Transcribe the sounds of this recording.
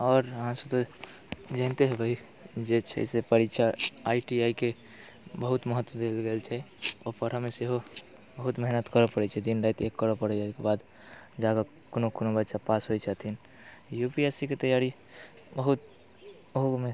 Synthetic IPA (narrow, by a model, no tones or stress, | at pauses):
ɔːɾɦãsət̪o | d͡ʒə̃ɪnt̪eɦebʱəi | d͡ʒet͡ʃʰɛ̰sepəɾitːt͡ʃʰaaiʈiaike | bəɦut̪məɦət̪ʋəd̪elɡelt͡ʃʰɛopəɾəmeseɦo | bəɦut̪mɛɦnət̪kəɾəpəɽɛt͡ʃʰɛd̪inɾəjt̪ekːəɾəpəɽɛd͡ʒakebad̪ | d͡ʒaɡa | konokonobətːʃapasɦoit͡ʃʰat̪in | jupiesiket̪əjaɾi | bəɦut̪ | oɦume